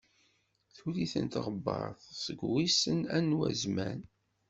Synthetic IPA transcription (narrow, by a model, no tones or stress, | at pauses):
θuliθənt̪ʁəbːɑ̰ɾˤθsəɡwisənænwæ̰zmæn